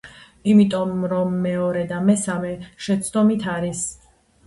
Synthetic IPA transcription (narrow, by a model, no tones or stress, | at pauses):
imit̪ʼɔmɾɔmːɛɔɾɛd̪amɛsamɛʃɛt̪sʰd̪ʼɔmit̪ʰaɾis